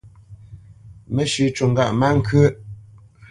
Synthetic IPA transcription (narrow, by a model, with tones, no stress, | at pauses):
mə˦ʃʉ˨t͡ʃu˨ŋɡa˦˨ʔma˦ŋ̩˦kʰə˦